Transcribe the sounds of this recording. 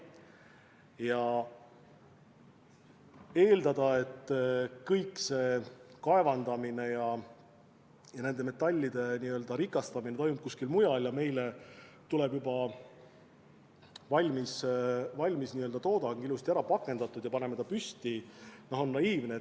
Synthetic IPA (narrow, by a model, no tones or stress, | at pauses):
jɑ | e̞ːld̪ɑd̪̥ɑe̞t̪ːkɤjkːse̞kɑe̞vɑnd̪ɑmine̞jɑ | jɑne̞nd̪e̞me̞t̪ːˑɑlʲːid̪̥e̞niø̞ld̪ɑɾikːˑɑst̪ɑmine̞t̪o̞jmup̚kusʲkilmujɑljɑme̞jle | t̪ulɛ̞bjubɑ | vɑlʲmisvɑlʲmisniø̞ld̪ɑt̪o̞ːd̪̥ɑŋɡilust̪iæɾɑpɑkˑːe̞nd̪ɑt̪ːˑud̪jɑpɑne̞met̪ɑpyst̪inɑɦo̞nːɑiːvne